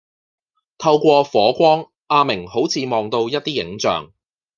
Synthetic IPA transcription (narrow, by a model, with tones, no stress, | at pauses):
t̪ʰɐ˧wkʷɔː˧fɔː˨˥kʷɔː˥ŋ | ʔaː˧mɪ˨˩ŋho˨˥wt͡sʰiː˨˧mɔː˨˩ŋt̪o˧wjɐ˥t̚t̪iː˥jɪ̰˨˥ŋt͡sœ̰ː˨ŋ